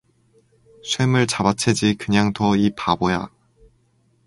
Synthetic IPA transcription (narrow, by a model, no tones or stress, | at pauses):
sʰwemɯɭt͡ɕabat͡ɕʰe̞d͡ʑikɯɲaŋtʌipaboja̰